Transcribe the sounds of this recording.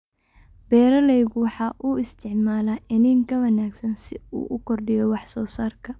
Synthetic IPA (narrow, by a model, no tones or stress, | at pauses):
bɛːɾɐlɛjɣwɑħɑːʔuɪst̪ʰɪʕmaːlaːʔɪnɪŋkʰɐwɐnaːɡsɐnsɪṵːʔʊkʰɔrdɪjɛwɑħsɔːsaːrkʰɐ